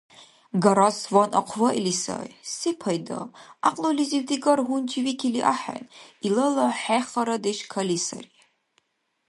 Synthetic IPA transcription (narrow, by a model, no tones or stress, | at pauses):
ɡɐɾaswanɐqʷʰvɐʔilisa̰jsipʰɐjd̪ɐ̰aqʼlolizivd̪iɡɐɾɦund͡ʒʰivikʰiliʔaħa̰nilɐlɐħɛχɐɾɐd̪eʃkʰɐlisɐ̰ri